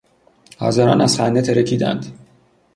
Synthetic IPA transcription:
hɒ̰zæɾɒ̰ːnæzχænd̪et̪ʰeɾecʰiːd̪æ̰nd̪̥

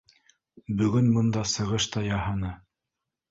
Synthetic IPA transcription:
bɵ̆ɡɵnbɤ̆nd̪ɑsɤ̆ʁɤʃt̪ɑjɑhɤnɤ

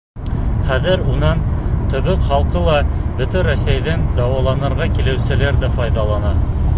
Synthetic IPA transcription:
χæðɘɾunɑnt̪ɵ̆βɵkχɑlˠqɤlˠɑb̥ɵt̪æɾæsæjðɘnd̪ɑwɑlˠɑnɤ̆ɾʁɑkilɘ̆wsɘ̆læɾðæfɑjðɑlˠɑnɑ

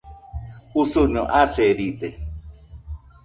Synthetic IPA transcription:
usuɲõʔaseɾit̪e

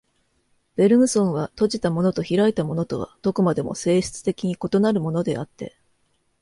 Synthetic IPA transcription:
b̥e̞ɾɯ̟mɯ̟sõ̞ɰ̃βat̪o̞ʑit̪amo̞no̞t̪o̞çiɾait̪amo̞no̞t̪o̞βa̰d̪̥okomad̪e̞mo̞̰se̞ːɕi̥t͡sɨ̥t̪e̞kʲiɲ̟iko̞t̪o̞naɾɯ̟mo̞no̞d̪e̞̰at̪ːe̞̰

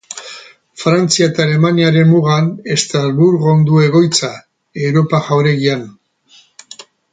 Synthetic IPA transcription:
fɾant͡siaet̪aːle̞maniaɾe̞mːuɣ̞ane̞st̪ɾalβuɾɣo̞nd̪ue̞ɣ̞o̞jt͡sa | e̞wɾo̞paʝawɾe̞ɣian

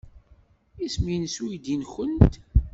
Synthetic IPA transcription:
isminswid̪inçənt̪

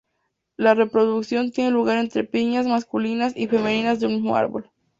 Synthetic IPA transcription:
lare̞pɾo̞ðuksjo̞nt̪jeneluɣaɾe̞nt̪ɾe̞piɲazmaskulinasife̞me̞nĩnazðeunmizmo̞̰a̰ɾβo̞̰l

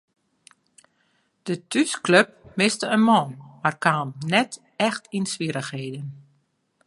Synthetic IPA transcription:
d̥ətʰyskløp̚mɪstəənmɔːnmarkaːmnɛt | ɛxtinsʋiəɾəxheːdən

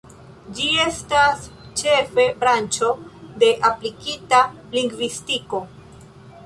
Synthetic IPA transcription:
d͡ʒie̞stast͡ʃe̞fe̞bɾant͡ʃo̞d̪e̞ʔaplikita | liŋɡvistiko̞

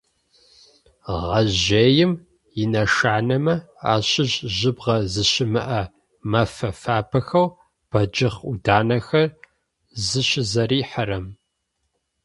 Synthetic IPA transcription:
ʁɐʑeːjɪm | jɪnɐʃaːnɐmɐ | a̰ːɕɪʑʑɪbʁɐzɨɕɪmɨ̰ʔɐ | mɐfɐfaːpʰɐxɐw | b̥ɐd͡ʒɪχudaːnɐxɐr | zɨɕɪzɐɾiːħəɾɐm

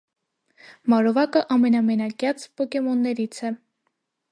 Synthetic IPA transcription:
mɑɾɔvɑkəʔɑmɛnɑmɛnɑkʲjɑt͡spɔkɛmɔnːɛɾit͡sʰɛ

